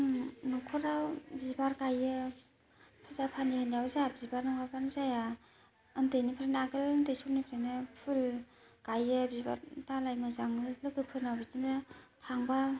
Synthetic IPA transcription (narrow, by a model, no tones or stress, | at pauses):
nɔkʰɔɾabizbaɾɡajɯ | pʰulzapʰanihanijawzaabizbaɾnɔŋapʰanizaja | ɯndejnipʰɾenaɡɯlndejsunipʰɾenɯpʰul | ɡ̥ajɯbizba̰ɾtalajmɯzaŋɯlɯɡɯpʰɯɾnawbizinɯtʰaŋba